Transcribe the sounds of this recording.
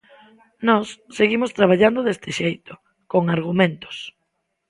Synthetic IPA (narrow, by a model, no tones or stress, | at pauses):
nɔsːeɣimʊst̪ɾaβaʎand̪oðest̪ɪʃejt̪ʊ̥ | koŋaɾɣ̞umẽnt̪o̥s